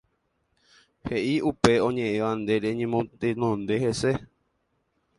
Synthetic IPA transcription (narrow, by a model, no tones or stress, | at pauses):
heʔiʔupe̞õɲẽʔẽʋand̪e̞ɾeɲẽmõt̪enõnd̪e̞he̞se̞